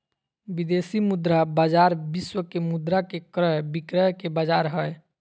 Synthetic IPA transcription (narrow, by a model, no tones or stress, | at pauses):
bid̪eːsimud̪ɾabaːd͡ʒaːɾbɪswəkemud̪ɾakekɾəɦbikɾəjkebad͡ʒaːɾɦəj